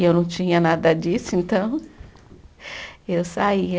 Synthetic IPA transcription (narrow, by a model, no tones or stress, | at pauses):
ewnɐ̃w̃t͡ʃĩɲɐnad̪ɐd͡ʒisʊẽnt̪ɐ̃w̃ | ewsaiɐ